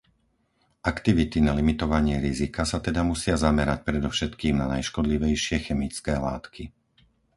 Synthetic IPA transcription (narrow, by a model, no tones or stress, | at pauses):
ʔakt̪iʋit̪inalimit̪ɔʋaɲɪɛɾizikasat̪ɛd̪amusɪazamɛɾac̚pɾɛd̪ɔfʃɛt̪kiːmnanajʃkɔd̪liʋɛjʃɪɛxɛmit͡skɛːlaːt̪kʰi